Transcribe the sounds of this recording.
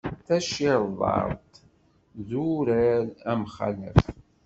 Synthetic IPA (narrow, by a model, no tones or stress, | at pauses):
θæʃɪɾðˤɑ̰ɾˤt̪ | ðuɾæɾæmχæ̰lə̰f